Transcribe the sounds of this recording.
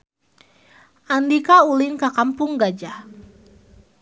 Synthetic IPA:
ʔandikauliŋkakampʊŋɡad͡ʒa

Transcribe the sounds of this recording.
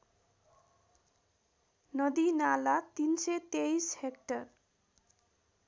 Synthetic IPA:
nʌd̪inalat̪insʌt̪ejshekʈʌr

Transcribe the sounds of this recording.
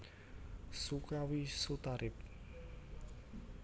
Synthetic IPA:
sukawisut̪aɾɪp̚

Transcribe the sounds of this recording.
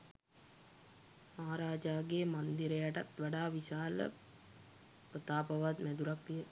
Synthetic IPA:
maɦaɾaːd͡ʒaːɡeːmand̪iɾəjaʈat̪ʋaɖaːʋiʃaːlə̰ | pɾət̪aːpəʋat̪mæd̪uɾakʋijə

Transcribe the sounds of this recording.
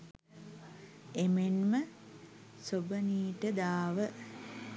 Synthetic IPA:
emenmə | sobəniːʈəd̪aːʋə

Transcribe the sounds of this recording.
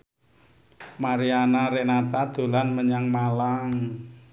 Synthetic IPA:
maɾianaɾenat̪ad̪̥o̤lanməɲaŋmalaŋ

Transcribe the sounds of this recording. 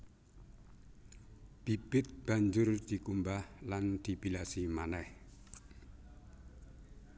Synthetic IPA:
b̥ib̥ɪt̪̚b̥a̤ɲd͡ʒʊrd̪̥i̤kumbahland̪̥ipilasimanɛh

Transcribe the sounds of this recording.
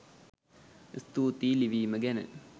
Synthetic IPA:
st̪uːt̪iːliʋiːməɡænə̰

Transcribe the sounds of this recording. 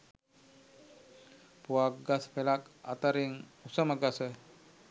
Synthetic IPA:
puak̚ɡaspelaka̰t̪aɾiŋusəməɡasə

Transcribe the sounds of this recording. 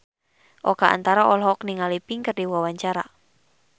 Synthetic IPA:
ʔɔkaʔa̰nt̪aɾaʔɔlɔɦɔkniŋalipiŋkɨrdiwawaɲt͡ʃaɾa̰

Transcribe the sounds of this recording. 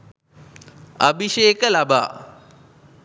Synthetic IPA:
abiʃejkəlaba̰ː

